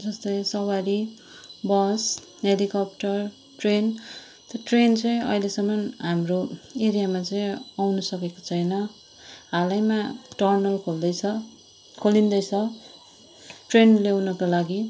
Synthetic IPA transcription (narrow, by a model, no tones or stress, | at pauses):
d͡zʌst̪ʌjsʌwaɾi | bʌs | ɦelikʌp̚ʈʌr | ʈren | t̪ʌʈrent͡sʌj̃ʌ̰jlesʌmʌnɦamroeɾijamat͡sʌĩawnʌsʌkeko̥t͡sʰʌjnʌ | ɦalajmaʈʌrnʌlkʰold̪ʌjt͡sʰʌ | kʰolind̪ʌjt͡sʰʌ | ʈrenlewnʌkolaɡi